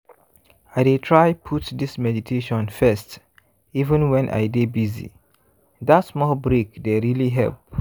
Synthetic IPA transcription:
aɪdetʰɹaɪpʰutdismɛditʰeʃɔ̃nfɛst | ivə̃nwɛ̃nʔa̰ɪdebizḭ | datsmɔlbɹekdeɹiliɦɛ̰lp̚

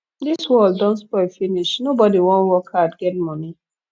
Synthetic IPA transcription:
d̪iswɔlddɔ̃ntspɔɪfiniʃnobɔdiwɔ̃nwɔkʰadɡɛtmɔni

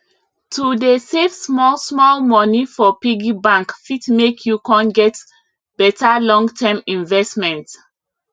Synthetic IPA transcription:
tʰudesevsmɔlsmɔlmɔnifɔpiɡibãŋkfitmekʰjukɔ̃nɡɛt | b̥ɛtalɔ̃ŋtʰɛmĩnvɛstmɛ̃nt

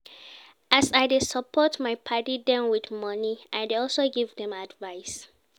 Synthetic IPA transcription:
asaɪdesəpʰɔtmaɪpʰatidɛ̃nwidmʌniʔaɪdeɔlsoɡivdɛ̃madvaɪs

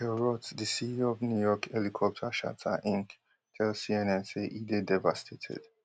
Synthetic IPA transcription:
ɛɹɔtdisiɔvnjujɔkʰɛlikʰɔp̚t͡ʃəʃa̰tʰə̰ʔĩn | kʰɛlsiɛ̃nɛ̃nseʔidedɛvastʰetʰɛ̰d̥

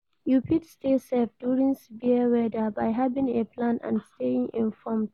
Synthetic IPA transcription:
jupʰidstesɛfduːɹĩŋsibiwɛdabajɦavɪ̃ŋeplãnã̰nsteɪ̃ŋɪ̃nfɔmd

